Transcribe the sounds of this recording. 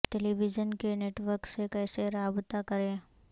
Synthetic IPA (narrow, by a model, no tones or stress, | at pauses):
ʈeliʋɪd͡ʒənkeneːʈʋəɾksekɛːseɾaːbt̪akɐɾẽː